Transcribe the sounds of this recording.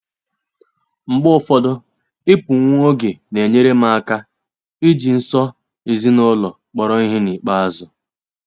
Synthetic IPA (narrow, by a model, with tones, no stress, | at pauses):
ŋ͡m̩˨ɡ͡bʊ˦ʊ˦˨fɔ˦dʊ˦ | ɪ˦pʊ˨ŋʷ˦o˦ɡe˨ne˨ɲe˦ɾe˦ma˦a˦ka˦ | i˦d͡ʒi˨n̩˦sɔ˦ | i˨zi˦nɔ˦lɔ˨ | k͡pɔ˨ɾɔ˦i˦ɦɪ˦ni˨k͡pa˦a˦zʊ˨